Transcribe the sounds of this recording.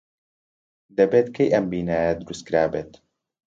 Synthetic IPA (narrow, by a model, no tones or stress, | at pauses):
d̪ɐbeːt̪kʰejʔɐmbiːnaːjɐd̪ɨɾust̪̚kɾaːbeːt̪